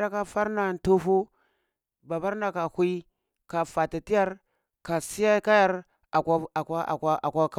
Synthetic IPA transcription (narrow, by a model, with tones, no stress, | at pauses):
da˦ka˦fa˦ɾna˨n˨tu˦fu˦ | ba˨ba˦ɾna˨ka˨hi˦ | ka˨fa˨ta˨ti˦ja˦ɾ | ka˨si˦ja˦ka˦ja˦ɾ | a˨ka˦˨a˦a̰˨ka˦a̰˨kʷa˦ka˦